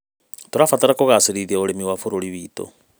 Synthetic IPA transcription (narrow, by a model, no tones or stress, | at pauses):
toɾafataɾakoɣaseɾiðiaoɾemiwafoɾoɾiβiːto̰